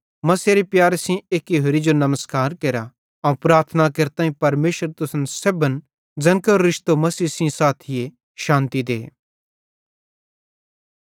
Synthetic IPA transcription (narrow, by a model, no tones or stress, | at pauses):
mɐseɾipjaːɾesĩeːkiɦoɾid͡ʒonɐməskaːɾkeːɾa | ɐũpɾaːɾt̪ʰənakeɾt̪aːĩpɐɾmeːʃəɾt̪ʊsənseːbən | d͡zɐnkəɾːɪʃt̪omɐsiːsĩsaːt̪ʰɪje | ʃãːnt̪id̪ḛː